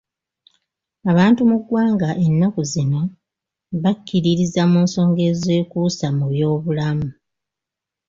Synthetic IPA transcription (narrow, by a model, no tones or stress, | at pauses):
aβaːntumuɡwaːŋɡaʔe̞nːakuzino̞ | βakːiɾiɾizamuːnso̞ːŋɡe̞ːze̞ːkuːsamuβjo̞ːβulamu